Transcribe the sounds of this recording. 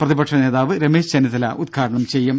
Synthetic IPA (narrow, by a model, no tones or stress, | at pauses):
prɐðibɐʈʂɐne̞ːðaːʋɨɾemeːʂt͡ɕɐniðɐlɐ̰ʔud̪̚ɡʰʱaːɽɐɳɐmt͡ɕe̞jːum